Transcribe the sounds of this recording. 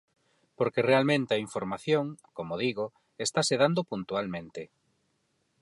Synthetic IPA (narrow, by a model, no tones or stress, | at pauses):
poɾkerealmẽnt̪eɐaiɱfoɾmaθjoŋkomoðiɣo | est̪aseðand̪opunt̪ualmẽnt̪e